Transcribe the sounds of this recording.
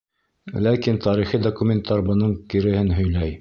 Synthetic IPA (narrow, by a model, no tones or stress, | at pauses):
lækint̪ɑɾiχid̪okumʲent̪ɑɾbɤ̆nɤɴkɘ̆ɾɘ̆hɘnɦɵ̆jlæj